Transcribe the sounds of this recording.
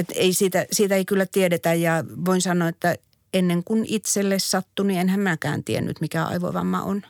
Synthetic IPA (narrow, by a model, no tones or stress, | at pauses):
et̪eisiːt̪æsiːt̪æeikylːæt̪iedet̪æjjɑʋoinsɑnːˑoːet̪ːæ | enːeŋkunit̪selːessɑt̪ːunienhæmmækæ̰ːnt̪iḛnːy̰t̪mikæɑ̰iʋo̰ʋɑ̰mːɑ̰ʔo̰n